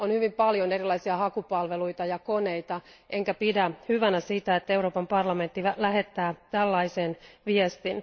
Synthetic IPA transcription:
onhyʋimpɑljonerilːˑɑisiɑhɑkupɑlʋeluit̪ɑjɑkoneit̪ɑ | ʔeŋkæpidæhyʋænæsit̪æet̪ːæeuɾoːpɑmpɑrlɑme̞nt̪ːilæhet̪ːæːt̪ælːɑisenʋiest̪in

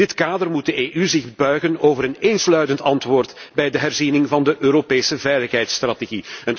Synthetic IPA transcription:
ɪtkaːdərmut̚dəeːʔyzɪɣbœɥɣənoːvəɾəneːnslœɥtəntɑntʋoːrtbɛjdəɦɛrzinɪŋvɑndəʔøːɾopeːsəvɛjləxɦɛjtst̪rateɣiən

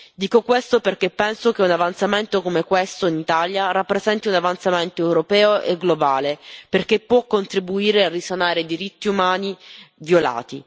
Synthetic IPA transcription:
d̪iːkokwest̪operkepːɛnsokeunavant̪sament̪okomekwest̪oinit̪aljaɾapːɾezɛnt̪iunavant̪sament̪oɛwɾopɛːoʔeɡlobaːleperk̟epːwɔkːont̪ɾibuiːɾearːisanaːɾeid̪iɾit̪ːiumaːnivjola̰ːt̪i

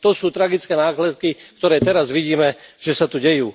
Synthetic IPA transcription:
t̪ɔsuːt̪ɾaɡit͡skɛːnaːklɛt̪̚kikt̪ɔɾɛːt̪ɛɾazʋiɟiːmɛʒ̥ɛsat̪uɟɛjuː

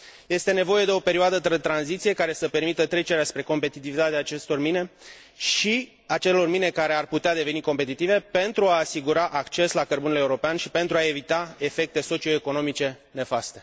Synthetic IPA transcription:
je̞st̪e̞ne̞vo̞je̞d̪e̞o̞pe̞ɾioad̪ət̪ɾet̪ɾanzit̪sije̞kaɾe̞səpe̞rmit̪ət̪ɾe̞t͡ʃe̞ɾeaspɾe̞ko̞mpe̞t̪it̪ivit̪at̪eaːt͡ʃe̞st̪o̞rmine̞ | ʃi | at͡ʃe̞lo̞rmine̞kaɾe̞arput̪ead̪e̞ve̞niko̞mpe̞t̪it̪ive̞pe̞nt̪ɾuaːsiɡuɾaʔakt͡ʃe̞slakərbunele̞uɾo̞peanʃipe̞nt̪ɾuae̞vit̪ae̞fe̞k̚t̪e̞so̞t͡ʃio̞eko̞no̞mit͡ʃe̞ | ne̞fast̪e̞̥

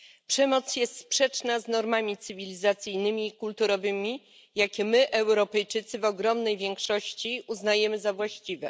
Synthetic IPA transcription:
pʂɛmɔt̪sjɛst̪spʂɛt͡ʂnaznɔɾmamʲit̪sɘvʲilʲizat̪sʲɘjnɘmʲiːkult̪uɾɔvɘmʲi | jakʲɛmɘʔɛwɾɔpɛjt͡ʂɘt̪sɘvɔɡɾɔmnɛjvʲjɛŋkʂɔɕt͡ɕiuznajɛmɘzavwaɕt͡ɕivɛ

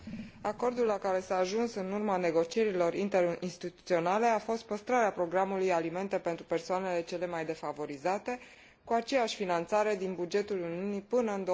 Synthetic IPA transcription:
ako̞rd̪ullakaɾe̞saːʒunsɨnurmane̞ɡo̞t͡ʃie̞ɾilo̞ɾint̪e̞ɾinst̪it̪ut̪sio̞nale̞afo̞st̪̚pəst̪ɾaɾeapɾo̞ɡɾamulujalime̞nt̪e̞pe̞nt̪ɾupe̞rsoane̞le̞t͡ʃe̞le̞majd̪e̞favo̞ɾizat̪e̞ | kuat͡ʃe̞jaʃʲfinant̪saɾe̞d̪inbud͡ʒe̞t̪uluniunipɨnəɨnd̪o

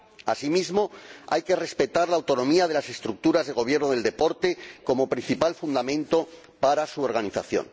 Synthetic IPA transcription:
a̰simizmo̞a̰jke̞re̞spe̞t̪aɾlaːwt̪onõ̞miað̞e̞lase̞st̪ɾuk̚t̪uɾazðe̞ɣo̞β̞je̞ɾnoð̞e̞ld̪e̞po̞ɾt̪e̞ko̞mo̞pɾin̟θipalfund̪amẽnt̪o̞ | paɾasuo̞ɾɣ̞aniθaθjo̞̰n

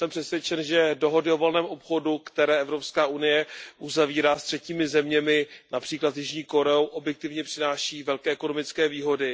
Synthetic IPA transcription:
sɛmpr̥ɛsvjɛt͡ʃɛnʒɛdo̞ɦo̞dɪo̞vo̞lnɛːmʔo̞pxo̞dukt̪ɛɾɛːʔɛvɾopskaːʔunɪjɛʔuzaviːɾaːst̪r̥ɛciːmɪzɛmɲɛmɪnapr̥iːklat̪jɪʒɲiːko̞ɾɛowʔo̞bjɛk̚t̪ɪvɲɛpr̥ɪnaːʃiːvɛlkɛːʔɛkonomɪt͡skɛːviːɦo̞dɪ

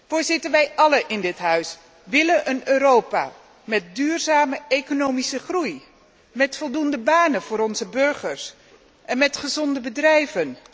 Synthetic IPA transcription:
fʊːɹzɪtənʋɛjʔɑləʔɪndɪtɦœɥs | ʋɪləʔənøːɾowpa̰ː | mɛt̚dyːrzaːməekonowmisəχruj | mɛtfɔlˠdundəbaːnəv̥ʊːɾɔnzəbɵɹχəɹs | ʔɛnmɛtχəzɔndəbədrɛjvən

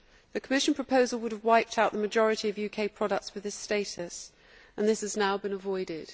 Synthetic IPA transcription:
ðɨkʰəmɪʃə̃npʰɹ̥əpʰəʊzəlˠwʊɾəvwaɪp̚tʰaʊʔðəməd͡ʒɒɹɨtiəvjʉkʰeɪpʰɹ̥ɒɾək̚tswɨðɪsteɪtəs | ə̃nðɪshəznaʊbɨ̃nəvɔɪdɪd̥

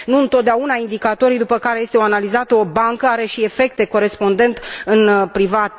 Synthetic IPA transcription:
nuɨnt̪ot̪d̪eaunaind̪ikat̪o̞ɾid̪upəkaɾeje̞st̪eoanalizat̪əo̞baŋkəaɾe̞ʃie̞fe̞k̚t̪e̞ko̞ɾe̞spo̞nd̪e̞nt̪ɨnpɾivat̪

